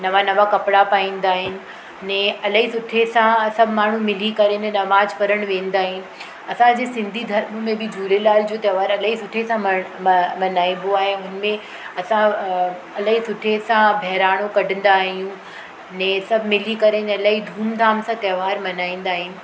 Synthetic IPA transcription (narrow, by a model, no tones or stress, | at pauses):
nɐʋanɐʋakɐpɪɽapaːĩːn̆d̪aːɦɪnɪ̆ | nɛ̃ːɐlɐɦisʊʈʰesãsɐbʱmaːɳ̤ũmɪlikɐɾenɛ̃nɐʋaːd͡ʑfɐɾəɽ̃ʋẽːn̆d̪aːɦɪnɪ̆ | ɐsãd͡ʑeːsɪ̃nd̪ʱid̪ʱɐɾmmẽbɪd͡ʑʱuːɾelaːld͡ʑoːt̪ɐʋaːɾɐlaɦisʊʈʰesã | mɐnaːĩboaːɦeɦʊnmẽ | ɐsã | ɐləɦisʊʈʰesãbʱɛɦɾaːɽ̤̃okɐɖʱə̃n̆d̪aːɦijũ | nɛ̃ːsɐbʱmɪlikɐɾenɛ̃ɐlaːɦid̪ʱuːmd̪ʱaːmsãt̪ɐːʋaːɾmɐnaːĩːn̆d̪aːɦɪnɪ̆